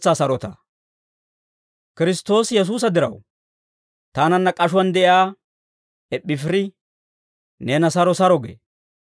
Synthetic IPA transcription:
t͡sːaːsɐɾɔt̪a̰ | kɪɾɪst̪ːo̞ːsjɛs̬uːs̬ɐd̪ɪɾɐ̰w | t̪aːnɐnːɐkʼɐʃʊwɐnd̪ɛʔɪaː | ɛɓːɪfɪɾɪ | neːnɐsɐɾɔsɐɾɔɡḛː

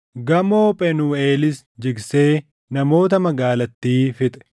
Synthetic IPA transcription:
ɡɐmo̞ːpʼɛnuːe̞ːlɪs | d͡ʒɪɡse̞ː | nɐmo̞ːt̪ɐmɐɡaːlɐt̪ːiːfɪt̪ʼɛ̥

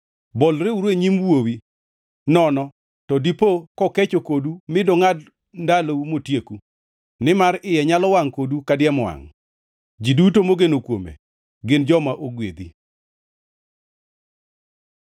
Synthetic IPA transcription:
bɔlɾeuɾweɲimwowi | nɔnɔ | tɔdipokɔket͡ʃokodumɪdɔŋad | ndaloumotjeku | nɪmaɾɪjɛɲalɔwaŋkodukadɪɛmwa̰ŋ | d͡ʒidutomoɡenokwomḛ | ɡɪnd͡ʒɔmaʔoɡwḛd̪i

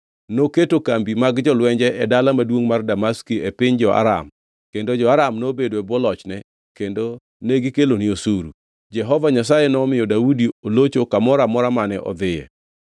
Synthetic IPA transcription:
noketokambimaɡd͡ʒɔlwɛɲd͡ʒɛʔɛdalamadwoŋmardamaskiɛpɪɲd͡ʒɔʔa̰ɾa̰m | kendod͡ʒɔaɾamnobedoɛbwɔlɔt͡ʃnɛ | kendo | neɡikeloniosuɾṵ | d͡ʒɛɦɔvaɲasajɛnɔmɪjɔdaudiolot͡ʃokamɔɾamɔɾamanɛʔɔ̰d̪ɪjɛ̰

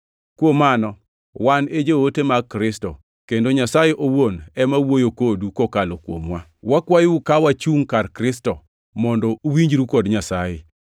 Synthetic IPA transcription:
kwomanɔ | waned͡ʒewotemakɾɪstɔ | kendoɲasajeʔowonɛmawojokodukokalokwo̰mwa | wakwajukawat͡ʃuŋkarkɾɪstɔ | mɔndɔuwiɲd͡ʒɾukɔdɲasaje

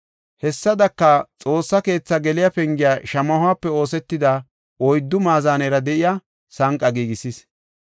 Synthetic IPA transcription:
hɛsːɐd̪ɐkːɐt͡sʼo̞ːsːɐke̞ːt͡sːɐɡɛlɪjapɛŋɡɪjaʃɐmɐhʊaːpːɛo̞ːsɛt̪ːɪd̪ɐ | ɔjd̪ːʊmaːzaːnɛɾɐd̪ɛʔɪja | sɐŋkʼːɐɡiːɡɪsɪs

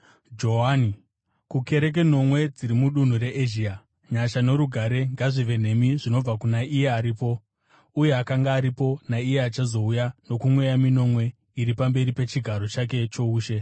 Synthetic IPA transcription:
d͡ʒo̞ɦani | kuke̞ɾe̞k̬e̞no̞mwe̞d͡ziɾimuɗun̤uɾeʔeʒiːa | ɲaʃane̞ɾuɡʱaɾe̞ŋɡaʐiʋe̞n̤e̞miʐino̞b͡vakunaije̞aɾiːpo̞ | uje̞akaŋɡaːɾipo̞naije̞at͡ʃazo̞ujano̞kumwe̞jamino̞mwe̞ | iɾipambe̞ɾipe̞t͡ʃiɡʱaɾo̞t͡ʃak̬e̞t͡ʃo̞uːʃe̞

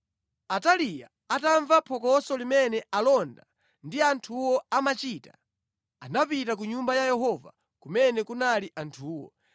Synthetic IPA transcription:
atalija | ataɱvapʰɔkɔsɔlimɛnɛalɔnda | ndiantʰuwɔamat͡ʃiːtḁ | anapitak̬uɲumbajajɛɦɔva̰ | kumɛnɛkunaliʔantʰuːwɔ̰

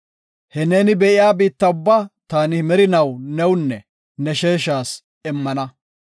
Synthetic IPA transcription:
hɛne̞ːnɪbɛʔɪjaːbiːt̪ːɐʊbːat̪aːnɪmɛɾɪnɐwnɛwʊnːɛ | nɛʃeːʃaːs | ɪmːɐnɐ

